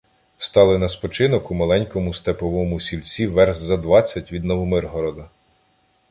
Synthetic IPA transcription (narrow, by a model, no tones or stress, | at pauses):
st̪ɑlˠɪnɐspɔt͡ʃɪnɔkʊmɐlˠɛnʲkɔmʊst̪epɔʋɔmʊsʲilʲt͡sʲiʋɛrzzɐd̪ʋɑt͡sʲːɐtʲʋʲid̪nɔʋɔmɪrɦɔɾɔd̪ɐ